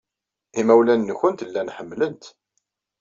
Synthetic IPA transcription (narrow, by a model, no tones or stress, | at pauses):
imæwlænːəçənt̪əlːænħəmːlənt̪